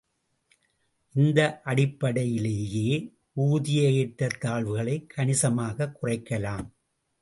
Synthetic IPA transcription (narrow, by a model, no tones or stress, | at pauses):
ʔɪnd̪ɐʔɐɽɪpːɐɽɐjɪleːjeː | uːðɪjɐjɪʈːɐt̪ːaːɭʋɯɣɐɭɐɪkʰːɐɳɪsɐmaːɣɐkːʊrɐɪkːɐlaːm